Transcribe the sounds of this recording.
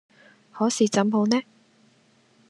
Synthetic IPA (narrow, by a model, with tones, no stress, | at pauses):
hɔː˨˥siː˨t͡sɐ˨˥mho˨˧˥wnɛː˥